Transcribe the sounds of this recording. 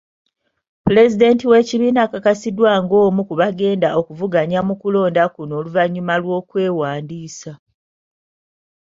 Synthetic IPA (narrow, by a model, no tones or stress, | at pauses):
pule̞zide̞ntiwe̞ciβiːnakakasidwaːŋɡo̞ːmukuβaɡe̞ːndaʔo̞kuvuɡaɲamukulo̞ːndakuno̞ːluvaɲːumalwo̞ːkwe̞ːwaːndiːsa